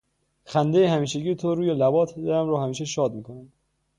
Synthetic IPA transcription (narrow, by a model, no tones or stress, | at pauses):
xænd̪e̞jehæmiːʃeɟiːjet̪ʰoɾuːjelæbɒːt̪ʰed̪æɾæmɾɔːhæmiːʃeʃɒːd̪̚miːkʰonæm